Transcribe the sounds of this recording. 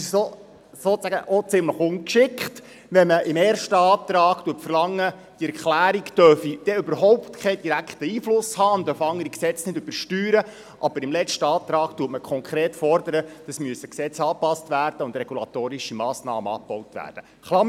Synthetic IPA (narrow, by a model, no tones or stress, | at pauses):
so | soːt͡sæɡə̰ʔot͡sɪmləχʊŋkʃɪkχt | ʋɛməʔɪmeːɾʃtəɑːt̪ɾɑːɡtuətfərlɑŋːə | d̥iɛɾklæːɾiktœfid̥ɛʏbəɾɦɔʊptkʰɛɪd̥iɾækχtəiːflʊshɑːnd̪œfɑŋəɾiksɛt͡snɪdøb̥əɾʃtyːɾə | ʔɑbəɾɪmlɛt͡ʃtəɑːt̪ɾɑːɡ̥tuətməkʰɔŋkʰɾeːtfɔrdəɾəd̥ɑsmyəsəksɛt͡sɑːpɑstʋæːrd̥əʊndrɛɡulɑt̪oːɾiʃimɑːsnɑːməɑ̰̥ːɔwtʋæ̰ːrd̥ə | χlɑ